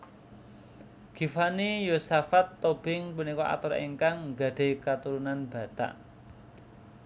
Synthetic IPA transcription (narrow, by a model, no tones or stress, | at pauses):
ɡ̥i̤fanijosafat̪ːob̥ɪŋpunikɔʔa̰t̪ʊɾḛŋkaŋɡa̤ɖ̥e̤kat̪uɾunanb̥ä̤t̪a̰ʔ